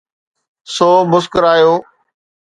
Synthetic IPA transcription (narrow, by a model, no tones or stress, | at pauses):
soːmʊskəɾaːjoː